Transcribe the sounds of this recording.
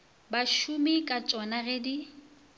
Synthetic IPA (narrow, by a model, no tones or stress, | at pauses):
baʃumɪkʼat͡ʃʼɔnaɣedi